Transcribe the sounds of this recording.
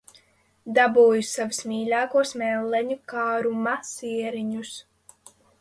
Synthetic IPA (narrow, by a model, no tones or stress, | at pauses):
d̪abuːjusavusmʲiːlʲaːkuɔsmɛlːɛɲukaːɾumasiɛɾiɲus